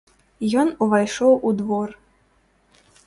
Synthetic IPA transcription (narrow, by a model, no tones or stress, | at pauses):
jɔnuvajʂɔwʔud̪vɔr